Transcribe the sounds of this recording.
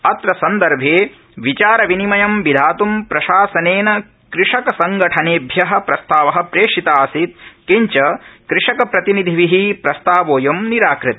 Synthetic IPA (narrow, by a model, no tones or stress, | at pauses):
ɐt̪ɾɐsɐnd̪ɐɾbʱeː | ʋit͡ʃaːɾɐʋinimɐjɐmʋid̪ʱaːt̪umpɾɐʃaːsɐneːnɐ | kɾɪʂɐkɐsɐŋɡɐʈʰɐneːbʱjɐɦɐ̆pɾɐst̪aːʋɐɦɐ̆pɾeːʂit̪aːsit̪̚kiɲt͡ʃɐkɾɪʂɐkɐpɾɐt̪inid̪ʱiʋiɦipɾɐst̪aːʋoːjɐmniɾaːkɾɪt̪ɐ